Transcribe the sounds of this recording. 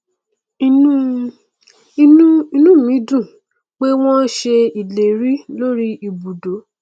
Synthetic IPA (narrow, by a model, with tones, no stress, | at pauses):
i˦˧nũ˦˨mĩ˨˦dũ˦˨ | k͡pe˦w̃ɔ̃˦ʃe˧i˨le˨ɾi˦lo˦ɾi˦i˨bu˨do˨˦